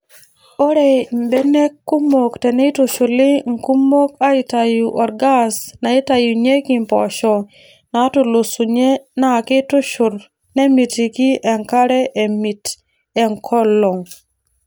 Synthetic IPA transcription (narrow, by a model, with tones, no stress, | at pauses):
o˦ɾe˨mbe˦ne˦kːu˦mo˨kte˨ne˦tʊ˨ʃʊ˨lɪ˦ŋ̩˦ku˦mo˦ka˦i˨ta˨ju˨ʔɔ˨ɾɡa˦sna˨ɪ˦ta˨ju˨ɲe˦ki˨mpɔ̰˨ʃɔ˨ | na˨˦tʊ˨lʊ˨su˨ɲe˦na˦˨kɪ˦tʊ˦ʃʊ˨ɾ | ne˦mi˨ti˨ki˦ʔɛ˨ŋka˦ɾɛ˦ʔe˨mi˨t | ɛ˨ŋkʰɔ˦lo˨ŋ